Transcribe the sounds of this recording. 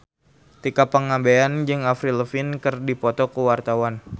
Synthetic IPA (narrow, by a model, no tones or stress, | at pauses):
t̪ikapəŋabeand͡ʒɨŋafɾiləfɪnkərdipɔt̪ɔkəwart̪awan